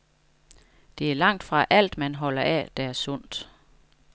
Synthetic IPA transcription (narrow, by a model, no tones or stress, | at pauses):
d̥e̝æɐlɑ̈ŋ̰d̥fʁɑ̈ʔæl̰d̥mænɦɒ̽l̰ɐʔɛ̰d̥ææɐsɔ̽n̰d̥